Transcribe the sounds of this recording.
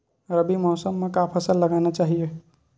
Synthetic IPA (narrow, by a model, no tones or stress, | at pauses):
ɾəbimɔːsəmːekapʰəsəlːəɡanat͡ʃaɦije